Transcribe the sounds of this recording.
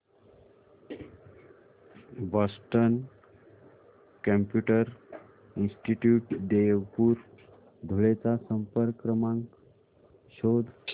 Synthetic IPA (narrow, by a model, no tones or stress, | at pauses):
bɔsʈən | kə̃mpjuʈəɾ | insʈiʈjuʈd̪ejəwpuːɾ | d̪ʱoɭet͡sasəmpəɾkɾəmãŋk | ɕod̪ʱ